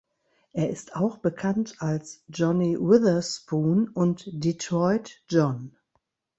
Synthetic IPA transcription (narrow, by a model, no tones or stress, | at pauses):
ʔeːɐʔɪstaʊxb̥əkʰantalsd͡ʒɔniwɪðɐspuːnʊntd̥itʁɔʏtd͡ʒɔn